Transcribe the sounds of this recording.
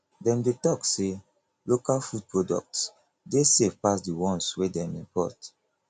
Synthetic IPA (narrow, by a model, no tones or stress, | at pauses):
dɛ̃mdetɔkse | lokalfud̚pɹodɔ̰k̚ts | desevpasdiwɔ̃nswedɛ̃mĩmpɔ̰t